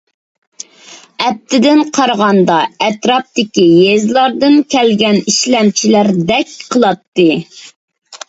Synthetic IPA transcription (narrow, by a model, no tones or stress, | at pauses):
ɛp̚t̪ʰɪd̪ɪnqʰɑɾʁɑnd̪ɑɛt̪ɾɑp̚d̪ɪkʲijezlˠɑɾd̪ɨnkʲʰɛlɡʲɛniʃlɛmt͡ʃʰilæɾd̪ɛk̚ʲqʰəlˠɑt̪ːɨ